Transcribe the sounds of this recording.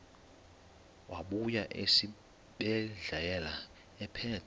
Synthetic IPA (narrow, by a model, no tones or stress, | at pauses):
wʔaɓujaʔesi | ɓɛɮajɛla | ɛpʰɛːtʰ